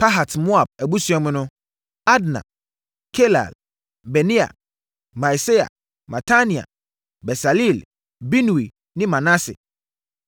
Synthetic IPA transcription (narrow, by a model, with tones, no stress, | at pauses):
pʰa˦ɦa˨tmʊ̃˦a˨b̚æ˨bu˦su˨˦ɛ˦mʊ̃˦nʊ̃˦ | a˦dnã̰˨ | kʰe˦la̰˨l | bɛ˨nĩ˦a̰˨ | mã˨jse˦a̰˨ | ma˨tʰa˦nĩ˨a̰˨ | bɛ˨sa˨li˦˨l | bi˦nũ˨i˨ | nɪ̃˦mã˨na˦sɛ̰˨